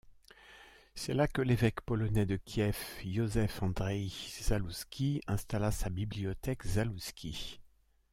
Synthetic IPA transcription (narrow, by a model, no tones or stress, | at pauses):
sɛlakəlevɛkpɔlɔnɛd̪əkʲʰjɛfjozɛfɑ̃d̪ʁɛjz̥aluskʲiɛ̃st̪alasabibliɔt̪ɛkzaluskʲi